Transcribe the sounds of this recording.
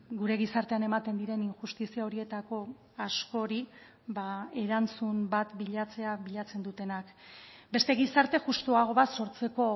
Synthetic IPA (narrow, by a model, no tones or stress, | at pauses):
ɡuɾe̞ɣ̞isaɾt̪e̞ane̞mat̪e̞nd̪iɾe̞niŋʝust̪isiao̞ɾie̞t̪ako̞ | asko̞ɾi | bae̞ɾant͡sumbat̪biʎat͡se̞aβiʎat͡se̞nd̪ut̪e̞nakbe̞st̪e̞ɣisaɾt̪e̞ʝust̪uaɣ̞o̞βaso̞ɾt͡se̞ko̞